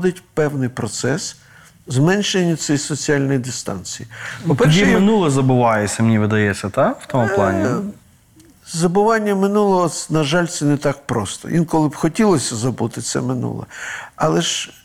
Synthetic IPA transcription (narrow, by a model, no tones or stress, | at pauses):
d̪ɪtʲpɛwnɪjpɾɔt̪sɛs | zmɛnʃenʲːɐt̪sijsɔt͡sʲiɑlʲnɔjd̪ɪst̪ɑ̰nt͡sʲijipɔpɛrʃʲiɛmɪnulˠɐzɐbʊʋɑjɛt͡sʲːɐmnʲiʋɪd̪ɐjɛt͡sʲːɐt̪awt̪ɔmʊplˠɑ̰nʲi | zɐbʊʋɑnʲːɐmɪnulˠɔɦɔnɐʒɑlʲt̪sɛnɛt̪ɑk̚pɾɔst̪ɔ̰ʋʲʔinkɔlˠɪbxɔtʲilˠɔsʲɐzɐbut̪ɪt̪sɛ̰mɪnṵlˠɐ̰ɑlˠɛʃ